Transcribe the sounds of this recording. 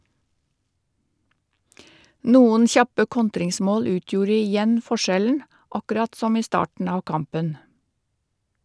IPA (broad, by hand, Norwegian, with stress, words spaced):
ˈnuːən ˈçɑpə ˈkɔntɾɪŋˌsmoːl ˈʉːtjuːɾ ɪˈjɛn fɔˈʃɛln ɑkʉˈɾɑt ˈsɔm ˈiː ˈstɑːʈɳ̩ ˈɑː ˈkɑmpən